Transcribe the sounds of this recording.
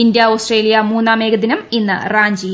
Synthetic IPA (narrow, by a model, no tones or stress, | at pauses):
ind̪jɐosʈreːlijɐmuːnːaːme̞ːɡɐd̪inɐminːɨraːɲd͡ʑi